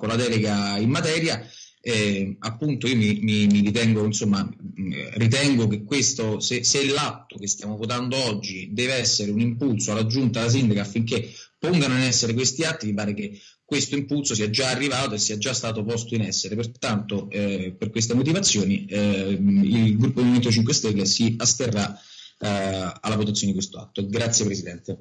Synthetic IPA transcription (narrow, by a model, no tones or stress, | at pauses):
kolad̪ɛːleɡaimːat̪ɛːɾja | ɛapːunt̪oiːomimimirit̪̬ɛŋɡoinsomːa | rit̪̬ɛŋɡokekwest̪oseselːat̪ːokest̪jaːmovot̪̬and̪oɔd͡ʒːid̪ɛːveɛsːeɾeunimpulsoalːad͡ʒːunt̪alas̬ind̪akaafːiŋkepːoŋɡanoinɛsːeɾek̬west̪iat̪ːimipaːɾeke | kːwest̪oimpulsosiːad͡ʒaːrːivaːt̪oesːiːad͡ʒːast̪aːt̪opɔst̪oinɛsːeɾepert̪ant̪operkwes̬t̪emot̪̬ivat̪sːjoːni | ilɡɾupːod̪imument̪ot͡ʃiŋk̬west̪elːesiast̪erːa | a̰lːavot̪at̪sjoned̪kwest̪oa̰t̪ːoɡɾat̪sjepɾesid̪ɛnt̪e